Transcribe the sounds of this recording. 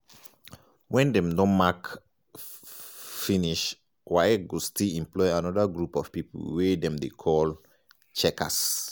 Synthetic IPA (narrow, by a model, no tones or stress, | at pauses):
wɛ̃ndɛ̃mdɔ̃nmak | fĩniʃ | waɛɡostilĩmplɔɪãnɔdaɡɹupɔv̥piplwɛdɛ̃mdekʰɔl | t͡ʃɛkʰa̰s